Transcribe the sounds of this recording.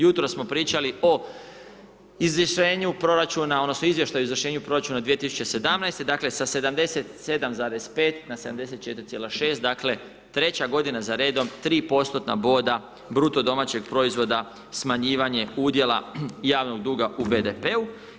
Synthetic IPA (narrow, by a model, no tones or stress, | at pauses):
jut̪ɾossmo̞pɾiːt͡ɕalio̞ | izʋrʃeːɲupɾo̞ɾat͡ʃunao̞d̪nosno̞izʋje̞ʃt̪ajuoizʋɾr̩ʃe̞ːɲupɾo̞ɾat͡ʃunad̪ʋiet̪isu̥t͡ɕe̞se̞d̪amnajst̪e̞d̪akle̞sase̞d̪amd̪e̞se̞t̪se̞d̪amzaːɾe̞spe̞ːt̪nase̞d̪amd̪e̞se̞t̪̚t͡ʃe̞t̪iɾit̪sjeːlaʃe̞ːst̪̚d̪akle̞ | t̪ɾe̞t͡ɕaɡo̞d̪inazaɾe̞ːd̪o̞mt̪ɾiːpo̞st̪ot̪na̰bo̞ːd̪a | bɾut̪o̞d̪o̞mat͡ɕe̞ɡ̚pɾo̞izʋo̞d̪a | smaɲiːʋaɲe̞uːd̪je̞la̰jaːʋno̞ɡ̚d̪uːɡaʔubed̪epe̞u